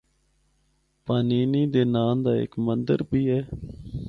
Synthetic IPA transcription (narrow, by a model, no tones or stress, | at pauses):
paːniːniːd̪eːnaːmd̪aːɪ̰kmənd̪əɾbiːɦɛː